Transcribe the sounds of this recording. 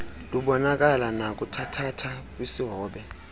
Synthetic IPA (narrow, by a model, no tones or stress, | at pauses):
luɓɔnak̬alanak̬ʼutʰatʰatʰak̬ʼwisiɦɔːɓɛ